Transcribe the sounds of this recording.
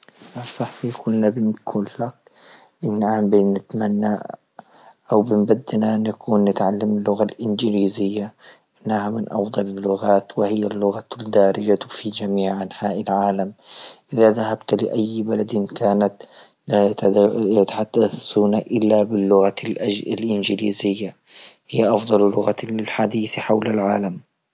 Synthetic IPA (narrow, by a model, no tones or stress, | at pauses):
ʔasˤɑħfikʰʊlːabɪnkʰʊlːak | ʔɪnːʔaːmbinnːɪt̪manːa | ʔawbɪmbad̪ːnaʔnːakʰuːnːɪt̪ʕalːamɪlːʊɣalʔɪnd͡ʒliːzɪjːaʔɪnːahamɪnʔɑ̰fd̪ˤɑlalːʊɣaːt̪wɪhɪjːalːʊɣald̪aːɾɪd͡ʒafid͡ʒamiːʕʔanħaːʔɪlʕaːlamʔɪðaðahabt̪lɪʔajːbalad̪ɪnkaːnat̪ | jat̪ḁħad̪̥ːaθuːnaʔɪlːabɪlːʊɣalʔɪnd͡ʒɪliːzɪjːa | hɪjːaʔɑfd̪ˤɑllʊɣalɪlħad̪iːθħawlalʕaːlam